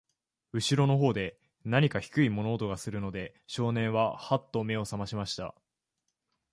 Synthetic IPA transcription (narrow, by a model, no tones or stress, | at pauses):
ɯ̟ɕiɾo̞no̞ɦo̞ːd̪e̞ | naɲ̟ikaçi̥kɯ̟imo̞no̞ːt̪o̞ɡasɨɾɯ̟no̞d̪e̞ | ɕo̞ːnẽ̞ɰ̃βahat̪ːo̞me̞o̞samaɕimaɕi̥t̪a̰